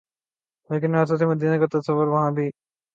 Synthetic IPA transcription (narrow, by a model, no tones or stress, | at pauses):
leːkɪnas̬ot̪ʰimɐd̪ʱiːnãkɐɾt̪ːsəʋəɾʋɐɦãːbʱi